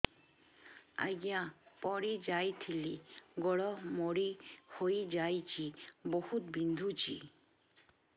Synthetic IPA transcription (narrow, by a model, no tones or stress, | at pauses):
a̰ɡjãpɔɽid͡ʒajt̪ʰiliɡɔɽɔmoɽihojd͡ʒajt͡ʃʰibɔhut̪bind̪ʱut͡ʃʰḭ